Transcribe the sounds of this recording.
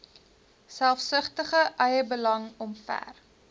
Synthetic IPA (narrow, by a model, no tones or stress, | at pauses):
sælˠfsəχtəχəʔœjəbəlɐŋɔmfæ̰r